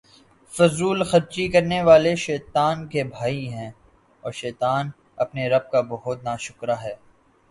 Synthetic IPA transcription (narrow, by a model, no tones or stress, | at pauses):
fʊzuːlxɐɾt͡ʃikɐɾneʋaːleʃɛːt̪aːnkebʱaːiɦɛ̃ː | ɔːɾʃɛːt̪aːn | ɐpneɾɐb̚kabɐɦʊt̪̚naːʃʊkɾaɦɛː